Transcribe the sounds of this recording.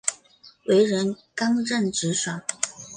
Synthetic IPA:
wʔe˧˥ɪɻə˧˥nkɑ˥ŋɻə˥˩nʈ͡ʂɻ̩˧˥ʂa˨˩˦

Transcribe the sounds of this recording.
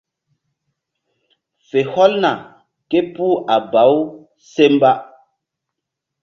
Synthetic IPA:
fe˨hɔ˦lna˨ | ke˦puː˦ʔa˨ba˨˦w | se˦mba˦

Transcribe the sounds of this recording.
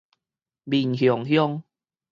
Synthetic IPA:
bi˨˩nɦjɔ˨˩ŋhjɔ˦ŋ

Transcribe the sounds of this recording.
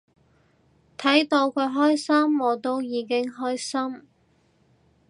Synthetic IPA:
t̪ʰɐ˨˥jt̪o˧wkʰɵ˨˧ɥɦɔː˥jsɐ˥mwɔː˨˧t̪o˥wjiː˨˧kɪ˥ŋɦɔː˥jsɐ˥m

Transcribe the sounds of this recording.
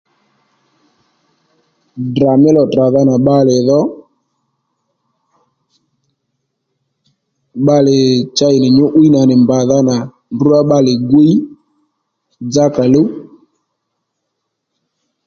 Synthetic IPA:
dra˨mɪ˦lɔ˨tra˨ða˦na˨ɓa˦lɪ˨ðɔ˦ | ɓa˦lɪ˨t͡ʃa˦ɪ˨nɪ˨ɲʊ˦ʔu˦i˦na˨nɪ˨mba˨ða˦na˨ | nbu˦a˦ɓa˦lɪ˨ɡi˦i˦ | d͡za˦ka˨lo˦

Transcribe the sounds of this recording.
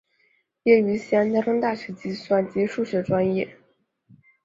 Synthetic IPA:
jɛ˥˩y˧˥ɕi˥a˥nt͡ɕa˥ʈ͡ʂɤ˥ŋt̪a˥˩ɕɥɛ˧˥t͡ɕi˥˩swa˥˩nt͡ɕi˧˥ʂu˥˩ɕɥɛ˥˩ʈ͡ʂwa˥njɛ˥˩

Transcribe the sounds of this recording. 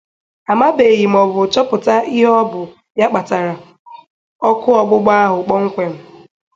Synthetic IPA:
a˨ma˦be˨ɣi˨m̩˨ɔ˨bʊ˨t͡ʃɔ˦pʊ˨ta˦ʔi˦ɦɔ˦bʊ˨ | ja˦k͡pa˨ta˨ɾa˨ | ɔ˦kʊ˦ɔ˨ɡ͡bʊ˦ɡ͡ba˦a˦ɦʊ˨k͡pɔ˦ŋ̩˦kʷe˨m̩˦

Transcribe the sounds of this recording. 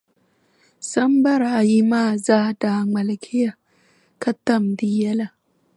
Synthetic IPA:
sɐ˦mbɐ˦ɾa˨ji˦maː˦˨zaː˦da˨ŋ͡mɐ˨lkʰʲɪ˦ja˨ | kɐ˦tːɐ˨mdi˨ja˦la˨

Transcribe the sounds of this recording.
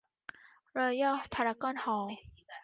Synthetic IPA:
ɾɤː˧˩jɔː˥˩pʰa˧ɾa˧kɔː˥˨nhɔː˨˦

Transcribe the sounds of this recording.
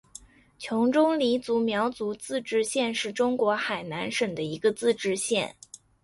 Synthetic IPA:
t͡ɕʰjʊ˧˥ŋʈ͡ʂʊ˥ŋli˧˥t͡su˧˥mjɑ˧˥ʊt͡su˧˥t͡sɹ̩˥˧ʈ͡ʂɻ̩˥˧ɕjɛ˥˧nʂɻ̩˥˩ʈ͡ʂʊ˥ŋkwɔ˧˥xa˨˩ɪna˧˥nʂə˨˩ŋd̪ə˦i˧˥ɡə˧t͡sɹ̩˥˧ʈ͡ʂɻ̩˥˧ɕjɛ˥˩n

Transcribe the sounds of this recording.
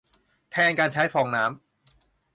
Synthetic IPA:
t̪ʰɛː˧nkaː˧nt͡ɕʰa˦˥jfʰɔː˨˧ŋnaː˦˥m

